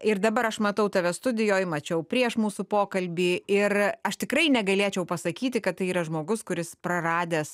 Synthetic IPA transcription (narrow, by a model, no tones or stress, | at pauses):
ɪrd̪ɐbɐɾɐʃmɐt̪ɐʊt̪ɐʋʲɛst̪ʊd̪ʲɪjoːjmɐt͡ʃʲɛʊpʲɾʲiɛʃmuːsupoːkɐlʲbʲiːɪrɐʃt̪ʲɪkɾɐɪnʲɛɡɐlʲeːt͡ʃʲɛʊpɐsɐkʲiːt̪ʲɪkɐt̪t̪ːɐɪiːɾɐʒmoːɡʊskʊɾʲɪspɾɐrɑːd̪ʲeːs